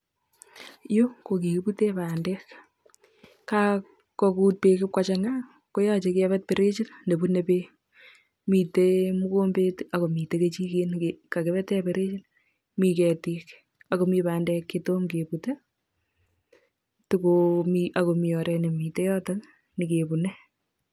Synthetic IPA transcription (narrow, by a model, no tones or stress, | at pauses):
jokok̬iputepaːndɛk | ka | kɔkuːt̚pekɪp̚kat͡ʃaŋa | kojɔt͡ʃekɪɛβɛt̚peɾet͡ʃinndebunepe | mitemukombetakomiteket͡ʃikenkakeβɛtɛpeɾet͡ʃin | mikɛtik | akomipaːndɛkːetomkepute | tukomiʔakomiɔɾʔɛnimitejɔtak | nɪkepunɛ